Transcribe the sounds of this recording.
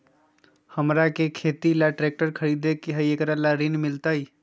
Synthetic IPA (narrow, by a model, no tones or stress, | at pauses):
həmɾakekʰet̪ilaʈɾek̚ʈəɾkʰəɾid̪ekeɦəjekɾalaɾinmilt̪əj